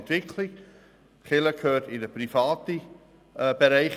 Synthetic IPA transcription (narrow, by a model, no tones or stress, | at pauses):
ntv̥ɪkʰlɪ | χɪləkʰøːtɪnəprifɑːti | b̥eɾæɪχ